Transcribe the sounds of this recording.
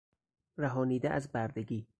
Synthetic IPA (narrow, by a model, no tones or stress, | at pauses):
ræɦɒːniːd̪eʔæ̰zbæɾd̪eɡiː